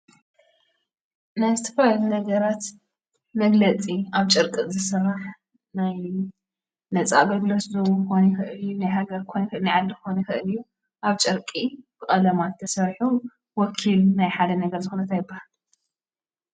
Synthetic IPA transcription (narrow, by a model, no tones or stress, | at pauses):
najzɨt̪ʰɐflalunɐɡɐɾat̪ | mɐɡlɐt͡sʼiaβt͡ʃʼɨɾkʼɨzɨsɨrːaħ | naj | nɐt͡sʼa̰bɐɡloszɨxonɐxɨʔɨljːunajɦaɡɐɾʰojnxɨɨlnajʕalːizɨxonɐxɨʔɨlɨjːu | ʔaβt͡ʃʼɨɾkʼib̥ɨxʼɐlɐmat̪ʰːɐsɐɾħu | wɔkʰilnajħad̪ɐnɐɡɐɾzɨxunɐt̪ʰajɪbːahal